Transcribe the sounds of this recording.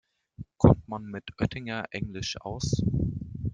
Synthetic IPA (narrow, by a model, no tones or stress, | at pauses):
kʰɔmtmanmɪtʰʔœtʰɪŋɐʔɛŋlɪʃʔa̰ʊs